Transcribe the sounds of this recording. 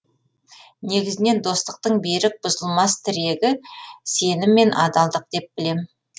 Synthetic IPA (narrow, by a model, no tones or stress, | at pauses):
ne̞ɡʲɪzɪne̞nd̪o̞st̪əq̚t̪əɴbe̞ɾɪk̚b̥ʊzəlˠmɑst̪ʰɪɾe̞ɡʲɪse̞nɪmːe̞nʔɑd̪ɑlˠd̪əq̚d̪̥e̞p̚b̥ɪle̞m